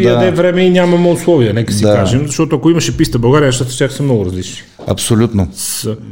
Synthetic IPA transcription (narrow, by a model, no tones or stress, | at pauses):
ɐd̪ɛvɾɛmɛinʲamɐmɛʊslˠɔviɐnɛkəsikaʒɛmzɐʃt̪ɔt̪oɐkoimɐʃɛpist̪əbɐwɡaɾijəzɐʃt̪at̪ə̥t̪ʲjaxsəmnɔɡʊɾɐzlit͡ʃni̥ | ɐ̰psolʲut̪nosə